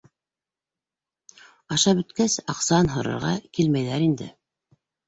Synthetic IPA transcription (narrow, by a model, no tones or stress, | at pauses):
ɑʃɑbɵ̆t̪kæsɑqsɑnɦŏɾɤ̰̆ɾʁɑ̰kilmæjðæɾind̪ɘ̰